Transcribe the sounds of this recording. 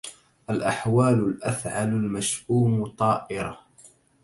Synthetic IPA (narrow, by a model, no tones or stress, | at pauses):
ʔalʔaħwaːlʊlʔafʕalʊlmaʃʔuːmʊt̪ˤɑːʔɪɾa